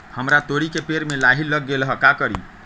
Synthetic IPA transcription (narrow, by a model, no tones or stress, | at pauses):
həmɾat̪oɾikepeɾmelaɦiləɡːelɦəkakəɾḭ